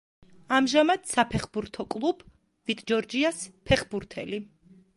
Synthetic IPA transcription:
amʒamad̪̥sapʰɛχbuɾt̪ʰɔkʼlˠub̥ | vit̪ʼd͡ʒɔɾd͡ʒiaspʰɛχbuɾt̪ʰɛ̰li

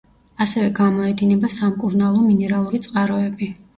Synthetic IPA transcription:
asɛvɛɡamɔɛd̪inɛbasamkʼuɾnalˠɔminɛɾalˠuɾit̪sʼqʼaɾɔɛbi

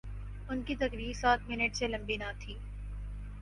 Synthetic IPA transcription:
ʊnkit̪ɐkɾiːɾsaːt̪ʰmɪnəʈselɐ̃mbinat̪ʰiː

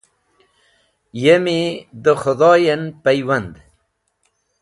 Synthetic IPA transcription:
jemid̪əxʊd̪ɑːjenpajwand̪

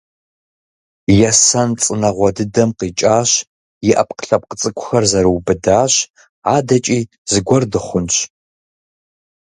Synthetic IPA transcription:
jɛsɐnt͡sʼɨnɐʁʷɔdɨdɐmqiːt͡ʃʼaːɕ | jɪʔɐ̰p̚qə̥ɬɐp̚qət͡sʼɨkʷʰʼʊxɐrzɐɾɨwbɨdaːɕ | aːdɐt͡ʃʼiː | zɨɡʷɔrdɨχʷʊnʃ

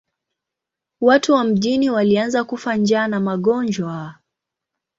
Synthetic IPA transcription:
watuwam̩ʄiniwalianzakufand͡ʒaːnamaɠɔnd͡ʒwa

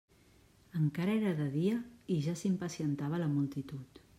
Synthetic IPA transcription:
əŋkaɾəeɾəðəðiəiʒasimpəsiənt̪aβ̞ələmulˠt̪it̪ut̪

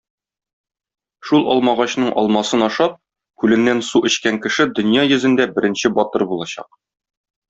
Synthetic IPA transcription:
ʃulˠɒ̰lˠmɑʁɑɕnɤɴʔɒ̰lˠmɑsɤnɒʃɑp̚ | kʉlɘ̆nːænsuʔɘ̆ɕkæŋkɘ̆ʃɘd̪ɵ̆njɑjɵ̆zɘ̆nd̪æbɘ̆ɾʔɘ̆nɕɘbɒt̪ɤɾbulˠɑɕɑ̰q̚

